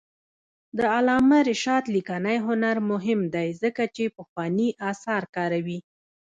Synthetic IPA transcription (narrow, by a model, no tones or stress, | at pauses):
d̪əalɑmaɾɪʃɑt̪likanajɦʊnaɾmʊɦɪmd̪ajzəkat͡ʃepəxwɑniʔɑsɑɾkɑɾawi